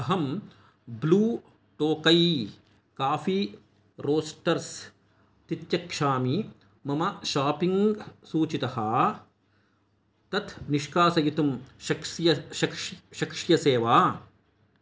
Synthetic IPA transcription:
ɐɦɐm | bluː | ʈ̪oːkɐj | kaːfi | ɾoːsʈɐɾs | t̪it̪jɐkʂaːmi | mɐmɐʃaːpiŋɡsuːt͡ʃit̪ɐɦɐ | t̪ɐt̪ʰniʂkaːsɐjit̪umʃɐʂjɐɐkʃɐkʂjɐseːʋaː

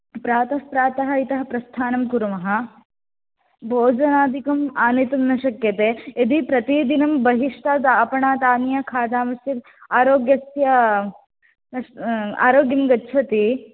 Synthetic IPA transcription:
pɾaːt̪ɐhpɾaːt̪ɐɦɐit̪ɐɦɐpɾɐst̪ʰaːnɐmkuɾɐmɐɦɐ̆ | bʱoːd͡ʒɐnaːd̪ʱikɐmaːnit̪umnɐʃɐkjɐt̪eːed̪ipɾɐt̪id̪inɐmbɐɦiʂt̪aːd̪aːpɐɳaːt̪aːnjɐkʰaːd̪aːmɐsjit̪ | aːɾoːɡjɐsjɐ | nɐa̰ːɾoːɡjɐmɡɐtːʃʰɐt̪i

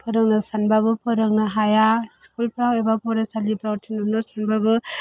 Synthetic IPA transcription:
pʰɯɾɔŋnasanbaɡɯpʰɔɾɔŋnaɦajaskulpɾawebapɔɾasalipɾawtʰinɯnɔsanbaɡɯ

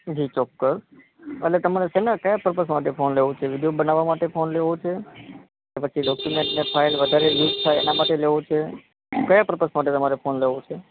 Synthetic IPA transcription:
d͡ʒit͡ʃɔkːəs | ə̰ʈlet̪əmaɾesenakəjapəɾpəsmaʈ̬efʰonleʋõt͡ʃʰeʋid̪ijobənaʋːamaʈefonleʋot͡ʃʰe | kepət͡ʃʰiɖɔkjumẽɳʈnepʰailʋəd̪ʱaɾejuzt̪ʰajḛnamaʈeleʋõt͡ʃʰe | kəjapɾpəsmaʈ̬et̪əmaɾefonleʋõt͡ʃʰe

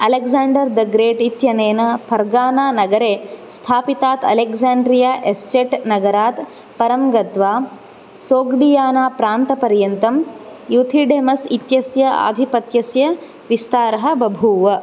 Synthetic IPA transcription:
ɐlekzaːɳɖɐɾd̪ɐɡɾeːʈit̪jɐneːnɐpʰɐɾɡaːnaːnɐɡɐɾeːst̪ʰaːpit̪aːt̪ɐ̰lekzaːɳɖɾijaːʔest͡ʃeʈnɐɡɐɾaːt̪ | pɐɾɐmɡɐt̪ʋaː | soːɡɖijaːnaːpɾaːnt̪ɐpɐɾjɐnt̪ɐmjut̪ʰiɖeːmɐsit̪jɐsjɐa̰ːd̪ʱipɐt̪jɐsjɐ | ʋist̪aːɾɐɦɐ̆bɐbʱuːʋɐ

